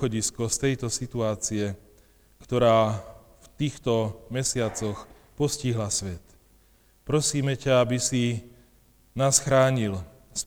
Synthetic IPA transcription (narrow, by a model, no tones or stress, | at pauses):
xɔɟiskɔst̪ɛjt̪ɔsit̪uaːt͡siɛ | kt̪ɔɾaː | ft̪iːxt̪ɔmɛsɪat͡sɔx | pɔsciɦlasʋɛt̪ | pɾɔsiːmɛcaabisi | naːsxɾaːɲil | s